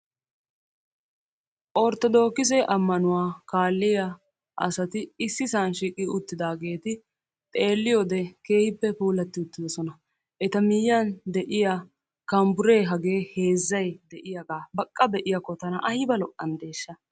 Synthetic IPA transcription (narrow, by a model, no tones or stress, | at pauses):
ʔɔɾt̪ːɔd̪o̞ːkːɪs̬ɛʔɐmːɐnʊwaːkaːlːɪjɐ | ʔɐ̰sɐt̪ɪɪsːɪsaːnʃiːkʼːɪʊt̪ːɪd̪aːɡe̞ːt̪ɪ | t̪ʼe̞ːlːɪjoːd̪ɛke̞ːhɪpːɛpuːlɐt̪ːɪʊt̪ːɪd̪ɔsɔnɐ | ʔɛt̪ɐmɪjːɐnd̪ɛʔɪja | kɐmbʊɾe̞ːɦɐɡe̞ːhe̞ːzːɐjd̪ɛʔɪjɐɡaːbɐkʼːɐbɛʔɪjɐkːɔt̪ɐnɐʔɐjɪbɐlɔʔɐnd̪e̞ːʃːɐ